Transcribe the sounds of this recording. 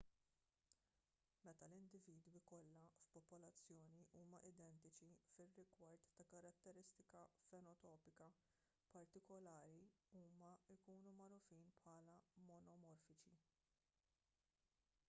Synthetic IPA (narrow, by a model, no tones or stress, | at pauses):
mɛt̪ɐlɪnd̪ɪviːd̪wikɔlːɐfpɔpɔlɐt͡sːjɔːniʔuːmɐʔɪd̪ɛnt̪ɪt͡ʃifɪrːɪɡwɐɾt̪ːɐkɐɾɐt̪ːɛɾɪst̪ɪkɐfɛnɔt̪ɔːpɪkɐ | pɐɾt̪ɪkɔlɐːɾiuːmɐɪkuːnumɐɾɔfiːnpħɐːlɐmɔnɔmɔɾfɪt͡ʃi